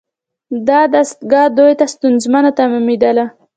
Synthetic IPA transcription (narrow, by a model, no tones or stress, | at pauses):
d̪ɑd̪ast̪ɡɑd̪ojt̪ast̪unzmanat̪amimid̪ala